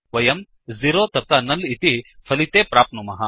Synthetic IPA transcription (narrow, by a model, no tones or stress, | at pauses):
ʋɐjɐm | ziɾoːt̪ɐp̚t̪anɐlit̪ifɐlit̪eːpɾaːpnumɐɦa